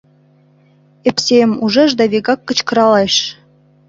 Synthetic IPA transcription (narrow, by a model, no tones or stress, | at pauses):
epsemuʒɤʒd̪ɑβeɣɑkːə̆t͡ɕkɤ̆ɾɑlɑʃ